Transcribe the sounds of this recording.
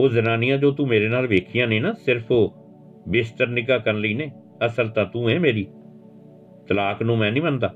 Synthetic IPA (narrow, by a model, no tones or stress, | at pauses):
oːzənaːnɪjãːd͡ʒoːt̪ũːmeːɾeːnaːlʋeːkʰɪjãːnẽːnaːsɪɾpʰoː | bɪst̪əɾnɪɡaːkəɾənləiːneː | əsəɾt̪ãːt̪ũːeːmeːɾiː | t̪əlaːknũːmɛ̃ːnĩːbənd̪aː